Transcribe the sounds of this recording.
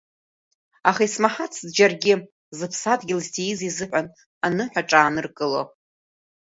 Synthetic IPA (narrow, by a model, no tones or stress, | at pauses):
aχaismaħat͡sʰzd͡ʒarɡʲɪ | zɨpʰsadɡʲɪlztʰejizizɨħᶣʷan | anɨħʷᶣaʈ͡ʂʼaːnɨrkʼɨlo̰